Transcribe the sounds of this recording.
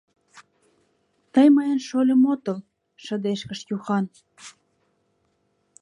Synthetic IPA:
t̪əjmɑjənʃolʲəmot̪əl | ʃə̆d̪eʃkə̆ʃjuxɑn

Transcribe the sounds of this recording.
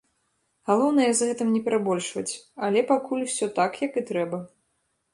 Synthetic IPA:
ɣalˠɔwnɐjɛzɣɛt̪ɨmnʲɛpʲɛɾabɔlʲʂvɐt͡sʲalʲɛpakulʲuwsʲɔt̪akjɐkɨt̪ɾɛbɐ

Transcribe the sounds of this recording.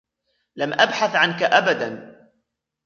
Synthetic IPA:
lamʔabħaθʕankaʔabad̪an

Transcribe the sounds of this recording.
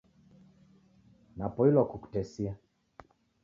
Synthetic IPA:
napɔilɔkuku̥tɛsia

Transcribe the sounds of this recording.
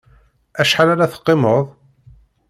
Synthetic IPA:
æʃħalaɾaθə̥qːɪməðˤ

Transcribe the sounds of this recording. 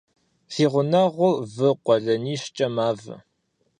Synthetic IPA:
fiːʁʷʊnaʁʷʊvɨqʷɔɮɐniːɕt͡ʃʼɐmaːvɨ̰

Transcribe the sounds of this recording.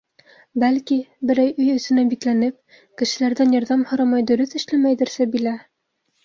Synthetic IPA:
bælkibɘ̆ɾæjɵjɵ̆sɘ̆næbiklænɘp̚ | kɘ̆ʃɘ̆læɾðænjɒɾðɑmhŏɾɑmɑjd̪ɵ̆ɾɵθɘ̆ʃlæmæjd̪ɘ̆ɾsɘbilæ

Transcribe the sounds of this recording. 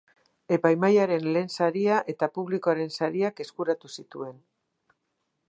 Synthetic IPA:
e̞pajmajaɾe̞nle̞ːnsaɾiaʔe̞t̪apuβlikoaɾe̞nsaɾiake̞skuɾat̪usit̪ue̞n

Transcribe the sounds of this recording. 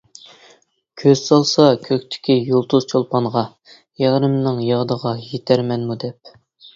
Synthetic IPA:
kʲʰøz̥sɑlˠsɑkʲʰøkʲt̪ʰɪ̥kʲʰijolˠt̪ʰuzt͡ʃʰolˠpɑnʁɑ | jæʁɾɪmnɨŋjɑʁd̪əʁɑjet̪ʰæɾmɛnmud̪ɛp̚

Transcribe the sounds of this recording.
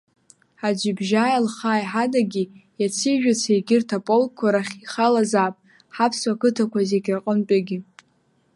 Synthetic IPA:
ħad͡ʒʷɪbʒaːjalχaːjħadaɡʲijat͡sʰiʒᶣat͡sʰejɡʲɪrtʰapʼolkʰʷːaɾaχʲiχalazaːpʼ | ħapʰswakɨtʰakʷʰazeɡʲraqʼənpʼaɡʲɪ

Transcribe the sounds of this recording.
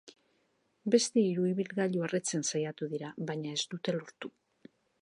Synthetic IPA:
be̞st̪e̞iɾuiβilɣaʎuaret͡se̞nsajat̪uðiɾaβaɲae̞zd̪ut̪e̞lo̞ɾt̪u

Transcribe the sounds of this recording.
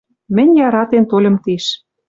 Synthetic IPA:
mɘ̆nʲjɑɾɑt̪ent̪olʲɤ̆mt̪iʃ

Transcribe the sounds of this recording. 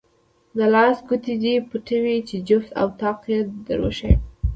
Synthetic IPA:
nalɑsɡut̪id̪ipəʈawit͡ʃed͡ʒʊft̪a̰wt̪ɑqjed̪ə̰ɾwo̰ʃaj

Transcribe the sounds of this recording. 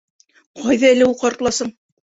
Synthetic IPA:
qʰɒjðɑæ̆lɘuqɑɾt̪lˠɑsɤɴ

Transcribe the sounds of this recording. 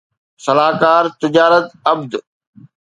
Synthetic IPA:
sɐlaːkaːɾt̪ɪd͡ʑaːɾət̪ɐbd̪

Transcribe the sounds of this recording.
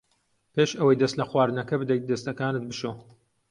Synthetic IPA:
peʃɐwɐjd̪ɐst̪lɐxwaːɾɨnɐkɐbɨd̪ɐj̪̚d̪ɐst̪ɐkaːnɨt̪̚bɨʃoː

